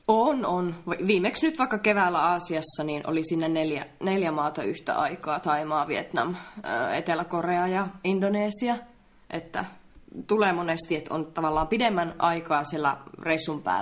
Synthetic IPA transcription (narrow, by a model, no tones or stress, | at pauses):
ononʋʋiːmeksnyt̪ʋɑikːɑkeʋæˑːlːˑæɑːsiɑsːɑniːnʔo̰lisinːæneljæneljæmɑːt̪ɑyht̪æ̰ʔɑikɑːt̪ɑimɑːʋiḛt̪nɑ̰møːḛt̪elækoreɑjɑindoneːsiɑ | ʔḛt̪ːæ̰ | t̪uleːmonest̪iet̪o̰nt̪ɑʋɑlːɑːmpidemːænʔɑikɑːsielːæ̰reisːumpæ̰ː